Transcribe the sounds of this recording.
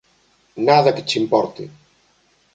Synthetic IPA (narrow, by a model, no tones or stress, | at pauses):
naðɐkɪt͡ʃimpɔɾt̪ɪ̰